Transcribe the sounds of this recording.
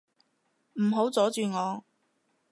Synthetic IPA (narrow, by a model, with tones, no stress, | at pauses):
m̩˨˩ɦo˨˥wt͡sɔː˨˥t͡ʃyː˨ŋɔː˨˧